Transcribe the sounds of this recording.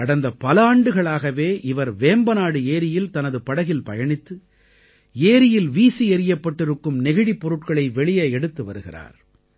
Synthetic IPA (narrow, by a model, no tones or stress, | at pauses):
ɐɽɐnd̪ɐpɐlaːɳɖɯɣɐɭaːɣɐʋeːʔɪʋɐɾʋeːmbɐnaːɽɯeːɾɪjɪlt̪ɐnɐðɯpɐɽɐɣɪlpɐjɐɳɪt̪ːɯ | eːɾɪjɪlʋiːsiɛɾɪjɐpːɐʈːɪɾɯkːɯmnɛɣɪɽipːɔɾɯʈkɐɭɐɪʋɛɭɪjɐɛɽɯt̪ːɯʋɐ̰ɾɯɣɪ̰ra̰ːɾ